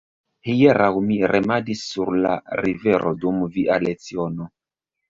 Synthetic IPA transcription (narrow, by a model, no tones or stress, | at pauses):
hijeɾʔawmiɾʔemadisːuɾla̰ɾiveɾʔodumviʔalet͡siono